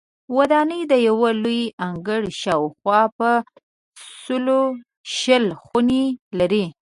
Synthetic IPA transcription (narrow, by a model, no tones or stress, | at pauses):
wad̪ɑnəjd̪əjawəlujʔaŋɡəɽʃɑwxwɑpə | səlo | ʃəlxunelaɾi